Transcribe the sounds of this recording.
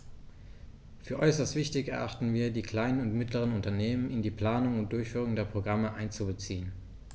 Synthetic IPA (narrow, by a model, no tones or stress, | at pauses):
fyːɐʔɔʏsɐstv̥ɪçtɪçɛɐʔaχtn̩viːɐdiːkl̥aɪnənʊntmɪtləʁ̞ənʊntɐneːmənɪndiːpl̥aːnʊŋʊnt̚d̥ʊɐçfyːʁ̞ʊŋdeːɐpʁ̥oɡʁaməʔaɪnt͡subət͡siːən